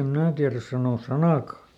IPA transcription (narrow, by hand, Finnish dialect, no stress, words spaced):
em mnæː tiæræs sɑnoˑs̆ sɑnɑˑkɑˑ